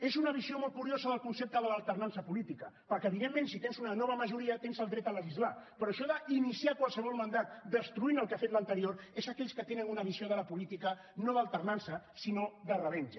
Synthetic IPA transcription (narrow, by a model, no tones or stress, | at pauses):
ezunəβiziomɔlˠt̪̚kuɾiozəðəlˠkunsep̚t̪əðələːlˠt̪ərnansəpulit̪ikəpəɾkɛəβ̞iðemːẽnsit̪enzunənɔβəməʒuɾiət̪enzəlˠd̪ɾɛt̪ələʒizlapəɾɔʃɔðəinisiakwalˠsəβɔlˠmənd̪at̪d̪əst̪ɾuinəlˠkafet̪lənt̪əɾioɾezəkɛʎskət̪enənunəβ̞izioð̞ələpulit̪ikə | noðəlˠt̪əɾnansəsinoðərəβɛnʲʒ